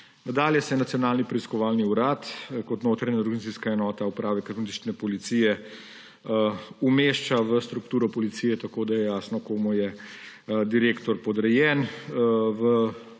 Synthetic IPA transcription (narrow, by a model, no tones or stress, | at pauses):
nad̪aːljɛsɛnat̪sjɔnaːlnipɾɛiskɔʋaːlniuɾaːt̪kɔt̪noːt̪ɾaɲaɾɡɐnit̪iskaɛnɔːt̪aupɾaːʋɛkɐt̪onit̪it͡ʃnɛpɔlit̪siːjɛ | umeːʃt͡ʃaʋəst̪ɾukt̪uːɾɔpɔlit̪sijɛt̪akoːd̪ajɛjaːsnɔkoːmujɛ | d̪iɾeːkt̪ɔɾpɔd̪ɾɛjɛːn | ʋə